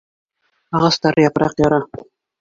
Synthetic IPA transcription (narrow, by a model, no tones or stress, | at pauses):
ɑʁɑst̪ɑɾɤjɑpɤɾɑ̰qjɑɾɑ